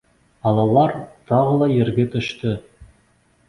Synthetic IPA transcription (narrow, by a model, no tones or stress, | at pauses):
ɑlˠɑlˠɑɾt̪ʰɑʁəlˠɑjeɾɡʲet̪ʰʏʃt̪ɪ